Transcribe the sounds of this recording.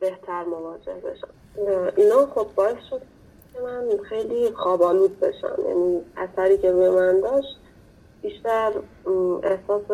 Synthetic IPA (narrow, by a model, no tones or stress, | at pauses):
b̥e̞ht̪ʰæɾmovɒːd͡ʒe̞̰hbe̞̰ʃæn | ʔinɒːχo̞b̚ːɒːe̞sʃo̞d̪̚ʰ | emænxe̞jliːxɒːbɒːluːd̪be̞̰ʃæ̰njæ̰niːæsæɾiːcʰe̞βe̞mænd̪ɒːʃt̪ | b̥iːʃt̪æɾ | ehsɒːse